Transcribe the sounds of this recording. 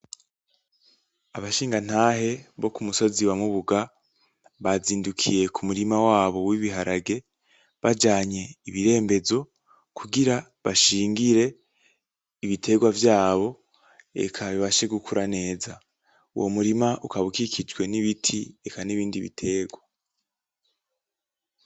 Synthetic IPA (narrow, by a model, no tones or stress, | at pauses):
aβaʃiːŋɡan̥haːɦe̞βo̞kumuso̞ziwamuβuɡa | βaziːndukʰḭje̞kʰumuɾimawaːβo̞wiβiɦaɾaɡe̞ | βad͡ʒaːɲe̞iβiɾe̞ːmbe̞zo̞ | kʰuɡiɾa | βaʃiːŋɡiɾe̞ | iβitʰe̞ɡwavjaːβo̞ | e̞̰kʰaβiβaʃe̞ɡukʰuɾane̞ːza | ṵwʔo̰muɾimaʔukaβukikʰid͡ʒɡwe̞niβitʰie̞kaniβiːndiβḭtʰe̞ːɡwa